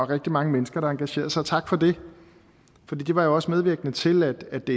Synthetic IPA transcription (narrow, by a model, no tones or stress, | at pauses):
ɒʁɛɡ̥̚d̥imɑ̈ŋəmenəsɡ̥ɐɾ̥ɑ̈ɑ̈ŋɡ̥æɕe̝̰ːɐðˠsɑ̈ɪt͡sʰɑ̈ɡ̥fɒ̽d̥e̝ | fɒ̽d̥ḭːd̥e̝ʋɑ̈jo̝ɒ̽smeð̞ˠʋiɐɡ̥ənət͡sʰe̝læd̥æd̥e̝